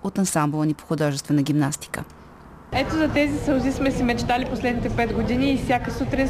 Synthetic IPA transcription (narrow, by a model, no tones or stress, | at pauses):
ot̪ɐnsamblˠnipo̥xʊd̪ɔʒɛst̪vɛnəɡʲimnast̪i̥kə̰ | ɛt̪ozɐt̪ɛzisɐlzismɛsimɛt͡ʃt̪aliposlɛd̪nit̪ɛpɛd̪ɡod̪iniːfsʲjakəsut̪ɾin